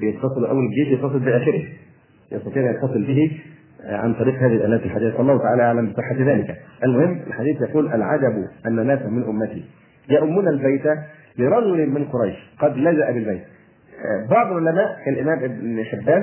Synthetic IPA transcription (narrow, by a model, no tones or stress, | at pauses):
jett̪ːɑsˤɨluʔæ̰wːælɡeːʃjɑt̪t̪ːɑsˤɨlbɪʔæːxɪɾɪh | jʔɑ̰st̪ˤɑt̪iːʔænjɑt̪t̪ɑsˤɨlbɪhi | ʕa̰nt̪ˤɑɾiːqhaːðihilʔæːlæːt̪ælħad̪iːθawɑlːˤɑːhʊt̪aʕaːlæʔaʕlæmbɪsˤɨħːat̪ðæːlɪkæʔælmʊhɪmːʔɪ̰lħad̪iːθjɑquːlʔælʕa̰d̪æbʔænːænæːsmɪnʔʊmːæt̪ḭ | jaʔʊmːunælbæjt̪æ | lɪɾˤɑd͡ʒʊlɪmɪnqoɾˤɑjʃqɑd̪læzaʔæbɪlbæjt̪̚ | bɑʕd̪ˤlʕolæmæːʔkælʔɪmæːmʔɪbnħebːæːn